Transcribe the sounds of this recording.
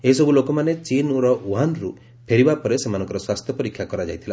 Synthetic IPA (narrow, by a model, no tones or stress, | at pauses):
eɦisɔbulokɔmanet͡ʃinuɾɔuanɾu | pʰeɽibapɔɾesemanɔ̃ŋkɔɾɔswast̪ʰjɔpɔɾikʰjakɔɾad͡ʒajt̪ʰila̰